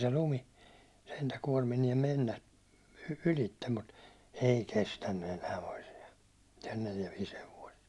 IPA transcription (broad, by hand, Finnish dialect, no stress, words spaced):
se lumi sentæ kuɒrminiem menːæ ylitːem mut ei kestænːy enæː toisiɑ neljæ ʋiːs heʋoist